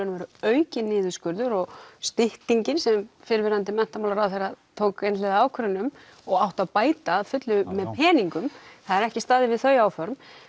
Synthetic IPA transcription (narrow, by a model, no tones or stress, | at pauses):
nmɛɾʏœɥcɪnːɪːðʏskʏɾðʏɾɔɣst̪ɪht̪iɲcɪnsɛmfɪɾvɪɾant̪̬ɪmɛn̥t̪amawlaɾawθejɾaðt̪ʰoːwkejnslɛðaaːwkʰɾʏnːʏm | ɔɣawht̪aðpaːjt̪aːðfʏt̪lʏmɛðpʰɛːniŋkʏmθaðɛɾɛhcɪst̪aːðɪvɪðθœɥjaːwfœɾm